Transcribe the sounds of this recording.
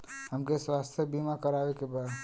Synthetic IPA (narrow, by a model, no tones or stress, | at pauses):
ɦəmkeswaːst̪ʰjəbiːmakɐɾaːʋekebaːd̪